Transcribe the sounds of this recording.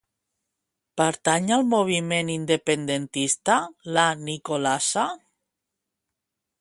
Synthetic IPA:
paɾt̪aɲalmoβ̞imenind̪epend̪ent̪ist̪alanikolasa

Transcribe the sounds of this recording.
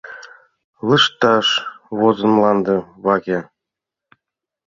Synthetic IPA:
lə̆ʃt̪ɑʃβozɤ̆nlɑnd̪ɤ̆βɑɣʲe

